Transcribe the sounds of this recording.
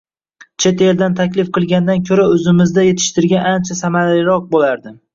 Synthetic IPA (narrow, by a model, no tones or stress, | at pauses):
t͡ʃʰe̞t̪eld̪ant̪ʰakʲlɪfqɨlˠɡʲand̪ankʲʰɵɾaɵzɪmɪzd̪aje̞t̪ʰɪ̥ʃt̪ɪɾɡʲanant͡ʃʰasamaɾalɪɾɒq̚bolaɾd̪ɪ